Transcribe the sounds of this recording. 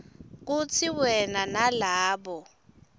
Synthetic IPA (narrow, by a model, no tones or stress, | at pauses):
k̬ut͡sʰiwɛnanalaːɓɔ